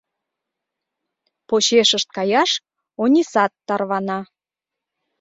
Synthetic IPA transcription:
poɕeʃəʃt̪̚kɑjɑʃ | onʲisɑt̪ːɑrβɑnɑ

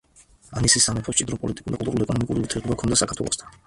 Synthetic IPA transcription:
anisisamɛpʰɔt͡ʃʼid̪ɾɔpʼɔlit̪ʼi̥kʼuɾd̪akʼult̪ʼuɾuliɛkʼɔnɔmikʼuɾivut̪ʰɛɾd̪ɔbakʰɔnd̪asakʰaɾt̪ʰwɛ̰ɔst̪ʰḁn

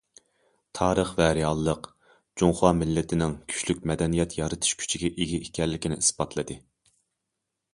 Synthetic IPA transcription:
t̪ʰɑːɾəχvɛɾijɑlˠːəq | d͡ʒoŋχɑːmɪlːɪt̪ʰɪnɪŋkʲʰy̥ʃlykʲmɛd̪ɛnijɛt̪jɑɾɨt̪ʰɨ̥ʃkʲʰy̥t͡ʃʰiɡʲɛʔeɡʲiikʲʰɛɾlːɪkʲinɪ̰isbɑt̪ʰlˠɨd̪ɨ

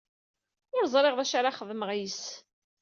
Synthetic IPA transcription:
ɪzˤɾˤeʁðæʃaɾaχəðəməʁjis

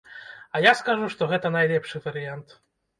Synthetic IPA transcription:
ɐjaskaʐuʂt̪ɔɣɛt̪ɐnajlʲɛpʂɨvɐɾɨjant̪

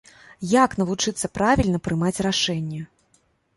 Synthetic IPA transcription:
jaknɐlut͡ʂɨt̪sːɐpɾavʲilʲnɐpɾɨmat͡sʲraʂɛnʲːɐ

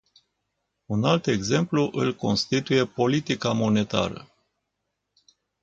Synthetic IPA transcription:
unalt̪e̞ɡze̞mpluʔɨlko̞̰nst̪it̪uje̞po̞lit̪ikamo̞ne̞t̪a̰ɾə̰

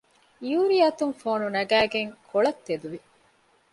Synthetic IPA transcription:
juːɾiɐt̪uŋfoːnunɐɡæːɡeŋkʰoɭɐt̪ːed̪uʋi

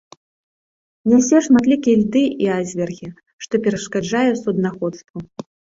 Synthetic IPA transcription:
nʲɛwsʲɛʂmat̪lʲikʲijɛlʲd̪ɨʔiazʲvʲɛrɣʲi | ʂt̪ɔpʲɛɾɐʂkad͡ʐajɛsud̪naxɔt̪st̪vu

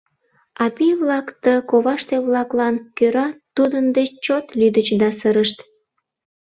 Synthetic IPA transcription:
ɑpiβlɑkt̪əkoβɑʃt̪eβlɑklɑnkøɾɑt̪ud̪ənd̪et͡ɕot̪lyd̪ət͡ɕd̪ɑsəɾəʃt̪

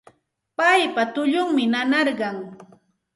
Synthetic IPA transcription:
pajpat̪ʊʎʊŋmɪnanɑɾɢɑŋ

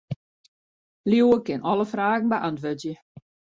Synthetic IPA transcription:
liwəkɪnɔləfraːɣn̩bəʔantʋøtjə

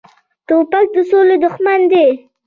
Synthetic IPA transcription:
t̪opak̚d̪əsoled̪ʊxmand̪e

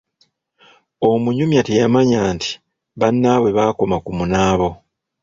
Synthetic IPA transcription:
omuɲumjatejamaɲaːnti̥ | βanːaβwe̞βaːko̞makumunaːβo̞

